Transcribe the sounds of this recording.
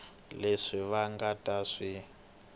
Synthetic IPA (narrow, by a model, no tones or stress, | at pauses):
leʂiβaŋɡatʼaʂi